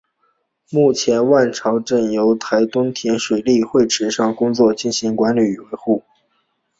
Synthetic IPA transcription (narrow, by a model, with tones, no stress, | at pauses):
mu˥˩t͡ɕʰjɛ˧˥nwa˥˩nʈ͡ʂʰɑ˧˥ʊʈ͡ʂə˥˩njo˧˥ʊt̪ʰa˧˥ɪt̪ʊ˥ŋt̪ʰjɛ˧˥nʂwe˨˩ɪli˥˧xwe˥˩ɪʈ͡ʂʰɻ̩˨˩ʂɑ˥˩ŋkʊ˥ŋt͡swɔ˥˧t͡ɕi˥˩nɕi˧˥ŋkwa˧˥nly˨˩˨we˧˥ɪxu˥˩